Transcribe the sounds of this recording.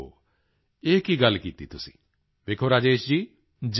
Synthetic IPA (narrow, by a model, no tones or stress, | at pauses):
o̰ | ekiɡalkit̪it̪usi̥̰ | bekʰoɾad͡ʒeːʃd͡ʒi | d͡ʒ